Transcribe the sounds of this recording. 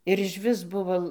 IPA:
ɪr ɪʃʲˈʋʲɪs ˈbʊʋoː

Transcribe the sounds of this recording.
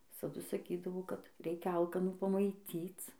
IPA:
ʋʲɪsɐˈdʊ sɐˈkʲiːdɐʋoː kɐt ˈrʲɛɪkʲɛ ˈɐlˠkɐnuː pɐmɐɪˈtʲiːt͡s

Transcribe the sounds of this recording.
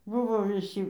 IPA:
ˈbʊʋoː ʋʲɪˈsʲiː

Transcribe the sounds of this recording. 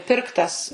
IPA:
ˈpʲɪrktɐs

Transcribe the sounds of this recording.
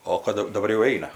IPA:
ˈoː kɐt dɐˈbɐr jɛʊ ˈɛɪnɐ

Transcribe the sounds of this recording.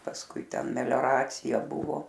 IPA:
pɐsˈkʊɪ ˈtʲɛn mʲɛlʲoːˈrɑːt͡sʲɪjɛ ˈbʊʋoː

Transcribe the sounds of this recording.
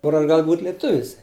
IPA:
ˈkʊr ɐʃ ˈɡɐlˠ buːtʲ lʲeːˈtʊʋʲɪs

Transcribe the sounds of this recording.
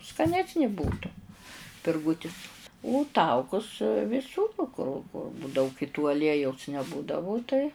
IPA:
skɐˈnʲæːsʲnʲɪ ˈbuːtʊ pʲɪrˈɡuːtʲɪs ʊ ˈtɐʊkʊs ʋʲɪˈsuːr kʊr dɐʊk ɪ tʊ ɐˈlʲiɛjɛʊs nʲɛˈbuːdɐʋʊ tɐɪ

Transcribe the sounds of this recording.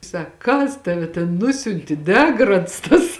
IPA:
ˈsɐk ˈkɐs ˈtɑːʋʲɛ tʲɛn ˈnʊsʲʊnʲtʲɪ ˈdʲæːɡrɐts tɐs

